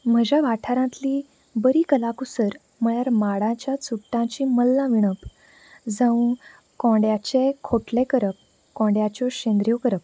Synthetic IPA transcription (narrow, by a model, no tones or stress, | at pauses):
m̤əd͡ʑaʋaʈʰaɾãt̪li | bəɾiːkəlakusəɾ | m̤əɭjaɾmaɽãt͡ɕjat͡suʈːãt͡ɕiːməlːãʋiɳ̃əp | d͡zə̃ũ | kɔ̃ɖjat͡ɕekʰoʈlekəɾəp̚ | kɔ̃ɳɖjat͡ɕɔɕẽnd̪ɾjɔkəɾəp̚